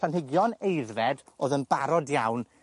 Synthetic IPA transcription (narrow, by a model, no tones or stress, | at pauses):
anɦɪɡjɔnejðvɛdoːðənbaɾɔdjawn